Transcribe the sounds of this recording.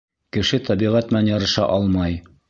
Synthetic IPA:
kɘ̆ʃɘt̪ʰɑbiʁæt̪mɘnænjɑɾɤ̆ʃɑ̰ʔɑlˠmɑj

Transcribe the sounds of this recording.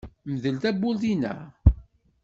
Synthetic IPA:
mðəlt̪æbːulθinæ̰

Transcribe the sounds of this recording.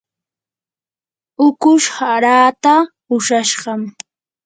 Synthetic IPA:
ʊkʊʃhaɾaːt̪a | ʊʃaʃɢɑm

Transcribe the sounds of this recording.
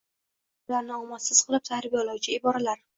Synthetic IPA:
ʊlaɾnɪɒmassɪz̥qʰɨlˠɪp̚t̪ʰahɾɪbijɒlɑwt͡ʃʰɪɪbɒɾalaɾ

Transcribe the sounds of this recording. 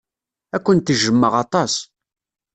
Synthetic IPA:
ækʷːənt̪əʒəmːəʁɑt̪ˤɑs

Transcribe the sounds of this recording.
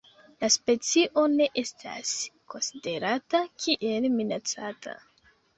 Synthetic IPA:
laspe̞t͡siʔo̞ne̞ʔe̞stʰa̰sko̞nside̞ɾatakʰiʔelminat͡sata̰

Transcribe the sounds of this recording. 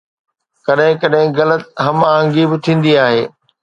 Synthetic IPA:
kɐɗɦɪ̃kɐɗɦɪ̃ɣɐlət̪̚ɦɐmaːə̃ŋɡibɪt̪ʰĩːn̆d̪iaːɦeː

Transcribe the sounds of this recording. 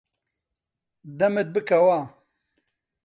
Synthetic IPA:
d̪ɐmet̪̚bɨkɐwaː

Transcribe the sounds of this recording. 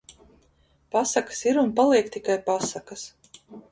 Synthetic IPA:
pasakḁsiɾunpalˠiɛkt̪ikajpasakas

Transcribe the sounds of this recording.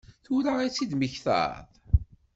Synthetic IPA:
θʊɾait͡sːid̪məçθə̰ɾðˤ

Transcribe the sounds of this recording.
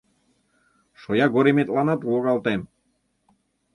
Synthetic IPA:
ʃojɑɡoɾemet̪lɑnɑt̪ulˠokɑlˠt̪em

